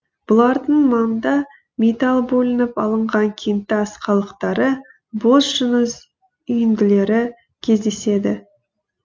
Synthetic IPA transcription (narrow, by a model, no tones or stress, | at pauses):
b̥ʊlˠɑɾd̪əɴmɑnd̪ɑ | mʲet̪ɑlˠbɵlɪnɪpɑlˠəɴʁɑŋkʲʰejnt̪ːɪɑsqɑlˠəqt̪ɑɾə | bosʒ̥ʏnəz | ʏjɪnd̪ɪle̞ɾɪ | kʲʰe̞zd̪e̞se̞d̪ɪ